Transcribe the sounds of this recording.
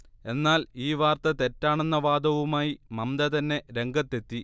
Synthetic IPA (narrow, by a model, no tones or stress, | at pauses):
e̞nːaːliːʋaːrt̪ɐt̪e̞tːaːɳenːɐʋaːd̪ɐʋumaːjimɐmd̪ɐt̪ɐnːe̞ɾe̞ŋɡɐt̪ːe̞t̪ːi